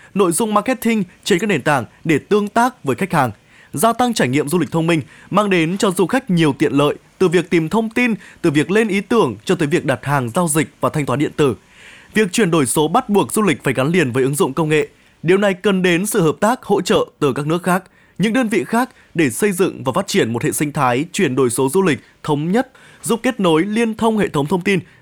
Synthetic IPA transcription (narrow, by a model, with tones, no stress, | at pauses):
no̰˧˨jzʊ˧ŋ͡mmaː˧˥kɛ˦˥t̚t̪ʰï˧ŋt͡ɕe˧nkaː˦˥k̚ɗe˨˩nt̪a̰ː˧˩ŋ | ɗe˧˩t̪ɨ˧əŋt̪aː˦˥k̚vəː˨˦jxa˦˥jk̚haː˨˩ŋ | zaː˧t̪a˧ŋt͡ɕaː˧˩jŋḭ˧˨əmzu˧li˨˩k̚t̪ʰə˧wŋ͡mmï˧ŋ̟ | maː˧ŋɗe˨˦nt͡ɕɔ˧zu˧xa˦˥jk̟̚ɲi˨˩əwt̪ḭ˧˨ənlə̰ː˧˨jt̪ɨ˨˩vi˨˩ək̚t̪i˨˩mt̪ʰə˧wŋ͡mt̪i˧nt̪ɨ˨˩vi˨˩ək̚le˧nʔi˨˦t̪ɨ˧˩əŋt͡ɕɔ˧t̪əː˨˦vi˨˩ək̚ɗa˨˩t̚haː˨˩ŋzaː˧wzï˨˩k̚vaː˨˩t̪ʰŋ̟t̪waː˨˦ɗḭ˧˨ənt̪ɨ˧˩ | vi˨˩ək̚t͡ɕwi˧˩ənɗo˧˩jso˨˦ɓa˦˥t̚ɓu˨˩ək̚zu˧lï˨˩k̟̚faː˧˩jɣa˨˦nli˨˩ənvəː˨˦jʔɨ˨˦ŋzʊ̰˧˨ŋ͡mkə˧wŋ͡mŋḛ˧˨ | ɗi˨əwna˨˩jkə˨˩nɗe˨˦nsɨ̰˧˨həː˨˩p̚t̪aː˦˥k̚ho̰˧˥t͡ɕə̰ː˧˨t̪ɨ˨˩kaː˦˥k̚nɨ˦˥ək̚xaː˦˥k̚ | ɲɨ̰˧˥ŋɗəː˧nvḭ˧˨xaː˦˥k̚ | ɗe˧˩sə˧jzɨ̰˧˨ŋvaː˨˩faː˦˥t̚t͡ɕi˧˩ənm˨˩t̚hḛ˧˨sï˧ŋ̟t̪ʰaː˨˦jt͡ɕwi˧˩ənɗo˧˩jso˨˦zu˧lï˨˩k̟̚t̪ʰə˨˦wŋ͡mɲə˦˥t̚ | zu˦˥p̚ke˦˥t̚no˨˦jli˧ənt̪ʰə˧wŋ͡mhḛ˧˨t̪ʰə˨˦wŋ͡mt̪ʰə˧wŋ͡mt̪i˧n